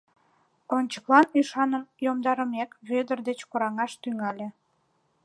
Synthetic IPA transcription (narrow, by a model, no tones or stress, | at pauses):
onʲt͡ɕə̥klɑnyʃɑnənjomd̪ɑɾəmekβød̪ərd̪et͡ɕkoɾɑŋɑʃt̪yŋɑlʲĕ